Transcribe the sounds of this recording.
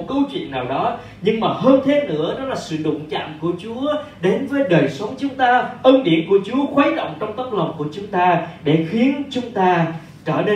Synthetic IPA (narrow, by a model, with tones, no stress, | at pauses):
t̚kə˧wt͡ɕwḭ˧˨ənːaː˨˩wɗɔ˨˦ | ɲɨ˧ŋmaː˨˩ɦəː˧nt̪ʰe˨˦nɨ̰˧˥əɗɔ˨˦laː˨˩sɨ̰˧˨ɗʊ̰˧˨ŋ͡mt͡ɕa̰ː˧˨mku˧˩ət͡ɕu˨˦ə | ɗe˨˦nvəː˨˦jɗəː˨˩jsə˨˦wŋ͡mt͡ɕʊ˨˦ŋ͡mt̪aː˧ʔəː˧nɗḭ˧˩ənku˧˩ət͡ɕu˨˦əxwaː˨˦jɗə̰˧˨wŋ͡mt͡ɕɔ˧wŋ͡mt̪ə˦˥k̚lə˨˩wŋ͡mku˧˩ət͡ɕʊ˨˦ŋ͡mt̪aː˧ɗe˧˩xi˨˦ənt͡ɕʊ˨˦ŋ͡mt̪aː˧ | t͡ɕəː˧˩ne˧